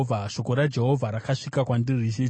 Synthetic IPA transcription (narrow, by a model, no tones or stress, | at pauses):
vʱaʃo̞ko̞ɾad͡ʒe̞ɦo̞vʱaɾakaʂikakwandirii